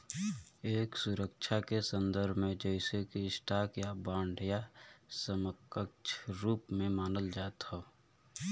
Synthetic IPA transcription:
eːksʊɾəkʃʰakesə̃nd̪əɾbʱmẽd͡ʒəɪsekiɪsʈʰaːkjabãːɳɖʱjasəməkəkt͡ʃʰɾuːpmẽmaːnəld͡ʒaːt̪ho

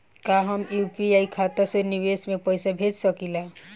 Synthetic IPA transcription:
kaɦəmjuːpiaikʰaːt̪asoɾniʋesmẽpəjsabʱeːd͡ʒsəkila

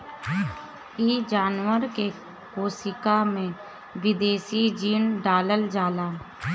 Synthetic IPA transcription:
iːd͡ʒaːnwəɾke | koːsɪkamẽ | ʋɪd̪eːsid͡ʒiːnɖaːləld͡ʒaːlaː

